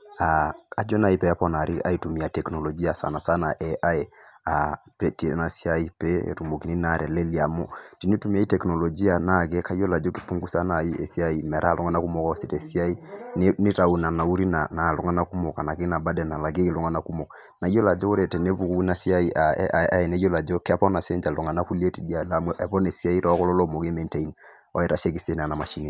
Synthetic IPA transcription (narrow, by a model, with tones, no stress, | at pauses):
a˨a˨d͡ʒɔ˦na˨i˦pɛ˨a˦pɔna˨ɾʔi˦ʔa̰˦itu˨mi˨a˨tɛ˨kno˨lɔ˨d͡ʒi˦a˨sa̰˨na˨sa˦na˨ʔɛ˨ʔa˦ɛ˨a˨pɛ˦ti˨˦na˨si˦a˦i˦pɛ˦ḛ˨tu˨mo˨ki˨ni˦na˨ɾʔɛ˨le˦li˨a˨mɔ˦ti˨ni˦tu˦mi˦a˦i˦tɛ˨kno˨lɔ˨d͡ʒi˦a˨na˦˨ɡɛ˦ka˦i˦jɔ˦la˨d͡ʒo˦ki̥˨pu˦ŋɡu˦sa˦na˨i˦e˨si˦a˦i˨mɛ˨ɾa˦˨lʔɔ˦ŋɡa˦na˦ku˦mɔ˨ka˦ɔ˦si˦tɛ˨si˦a˦i˦nni˦ta˨u˨na˨na˨u˦ɾi˦na˨na˨lu˨ŋa˦na˦ku˦mɔ˨ka˨na˨ki˦na˨ba˦dɛ˨na˨la˨ɡe˦i˦lu˦ŋa˦na˦ku˦mɔ˨k | na˨jo˦la˨d͡ʒo˦o˦ɾe˨tɛ˨ne˦pu˨ku˦i˦na˦si˦a˦i˦ʔa˨a˨a˦ɛ˨ne˦jo˦la˨d͡ʒo˦kɛ˦pɔ˦na˨se˦nd͡ʒa˨lɔ˨ŋa˨na˦ku˦li˦e˦ti˨di˦a˨da˨mwʔɛ˨pɔ˦ne˨si˦a˦i˦ɾɔ˦kɔ˦lɔ˦lɔ˦mo˨ke˦mɛ˨nte˨i˦n | ɔ̰˦ɛ˨ɾa˨ʃe˦ki˨se˦na˨na˨ma˨ʃi˦ni˨